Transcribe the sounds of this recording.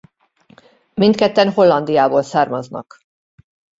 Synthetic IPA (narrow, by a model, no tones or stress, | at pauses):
mint̪kɛt̪ːɛnɦo̞lːɒnd̪ijaːboːlsaːrmɒznɒ̰k